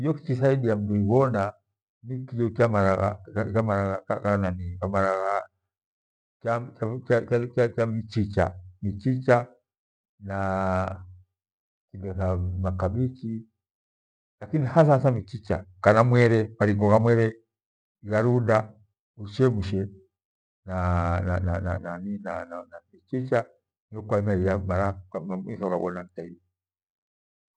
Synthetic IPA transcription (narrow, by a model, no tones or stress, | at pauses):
ijɔkit͡ʃisaiɗiam̩dɔiβɔna | nikidɔt͡ʃamaɾaɣa̰kamaɾaɣakakananikamaɾaɣa | t͡ʃat͡ʃaaaat͡ʃamit͡ʃit͡ʃa̰mit͡ʃit͡ʃa | na | kidɔsamakaɓit͡ʃi | lakinihasasamit͡ʃit͡ʃakanamwɛɾɛmaɾiŋɡɔɣamwɛɾɛ | iɣaɾuda | uʃɛmuʃɛ | nanananananinananamit͡ʃit͡ʃa | niɔkwaimaijamaɾamisɔukabɔnataiɔ